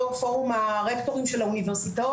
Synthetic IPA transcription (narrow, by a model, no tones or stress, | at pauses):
ofoʁumaʁekto̞ʁimʃelauniveʁsita